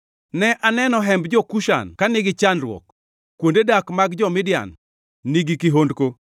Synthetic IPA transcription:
nɛʔanɛnɔɦɛmbd͡ʒɔkuʃa̰nkanɪɡɪt͡ʃanɾwɔ̰k | kːwondedakmaɡd͡ʒɔmɪdɪja̰nː | iɡikiɦondko

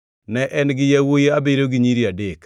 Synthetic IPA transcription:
nɛʔɛnɡɪjawojeabeɾoɡɪɲiɾiadek

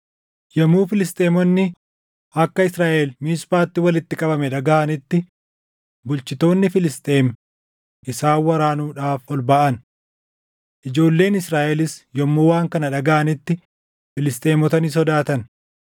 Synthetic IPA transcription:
jɐmuːfɪlɪst̪ʼeːmɔnːɪ | ɐkːɐɪsɾaːʔelmiːspaːt̪ːɪwɐlɪt̪ːɪkʼɐbɐmɛᶑɐɡɐʔɐnɪt̪ːɪ | bʊlt͡ʃɪt̪o̞ːnːɪfɪlɪst̪ʼe̞ːm | ʔɪsaːwːɐɾaːnuːᶑaːfɔlbaːʔɐn | ʔɪd͡ʒo̞ːlːe̞ːnɪsɾaːʔɛlɪsjɔmːoːwaːŋkɐnɐᶑɐɡɐʔɐnɪt̪ːɪ | fɪlɪst̪ʼe̞ːmɔt̪ɐnis̬ɔd̪aːt̪ɐn

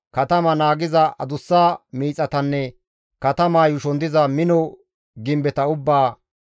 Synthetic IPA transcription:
kɐt̪ɐmɐnaːɡɪzɐʔɐ̰d̪ʊsːaːmiːt͡sʼːɐt̪ɐnːɛ | kɐt̪ɐmaːjʊʃɔnd̪ɪzɐmɪnɔ | ɡɪmbɛt̪ɐʊbːaː

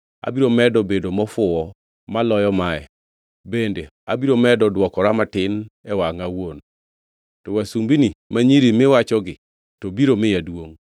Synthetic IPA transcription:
a̰biɾomɛdɔbedomɔfʊwɔ | malɔjɔmaɛ̰ | bende | abiɾomɛdɔdwɔkɔɾamatɪnɛwaŋawon | tɔwasumbinimaɲiɾimɪwat͡ʃɔɡɪ | tɔbiɾomɪjadwoŋ

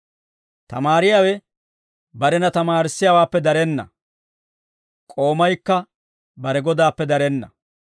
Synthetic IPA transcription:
t̪ɐ̰maːɾɪjaːwɛ | bɐɾɛnɐt̪ɐmaːɾɪsːɪjaːwaːpːɛd̪ɐɾɛnːɐ̰ | kʼo̞ːmɐjkːɐ | bɐɾɛɡɔd̪aːpːɛd̪ɐɾɛnːɐ̰

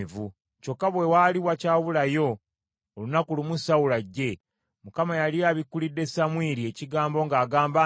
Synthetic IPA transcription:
vu | co̞kːaβwe̞waːliwacaːβulajo̞ː | lunakulumusawulaɟːe̞ | mukamajalijaβikːulidːe̞samwiːɾie̞ciɡaːmbo̞ŋɡaːɡaːmba

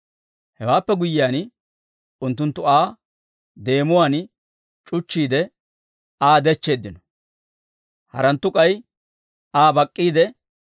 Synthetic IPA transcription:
hɛwaːpːɛɡʊjːɪjaːn | ʊnt̪ːʊnt̪ːʊaː | d̪e̞ːmʊwaːn | t͡ʃʼʊt͡ʃːiːd̪ɛ | aːd̪ɛt͡ʃːe̞ːd̪ːɪnɔ | hɐ̰ɾɐnt̪ːʊkʼɐj | aːbɐkʼːiːd̪ɛ

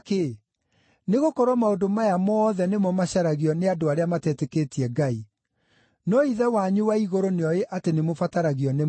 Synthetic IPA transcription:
ke | neɣokɔɾwɔmaondomajamɔːðɛnemɔmaɕaɾaɣiɔneadoaɾeamatɛteketiɛɡai | nɔiðɛwaɲuwaiɣoɾoneɔjeʔatenemofataɾaɣiɔne

